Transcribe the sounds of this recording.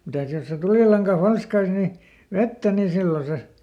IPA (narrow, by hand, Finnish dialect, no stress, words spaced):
mitæˑs jos se tuliˑlɑŋkɑ fɑlskɑis ni ʋetːæ ni silːo se